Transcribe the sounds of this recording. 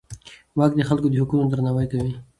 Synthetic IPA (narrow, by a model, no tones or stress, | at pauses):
wɑk̚d̪əxalkod̪əhʊkunad̪ɾnɑwajkawi